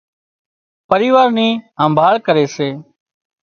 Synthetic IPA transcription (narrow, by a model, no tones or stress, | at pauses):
pəɾiːʋaːɾniːɦə̃mbʱaːɭkəɾeːseː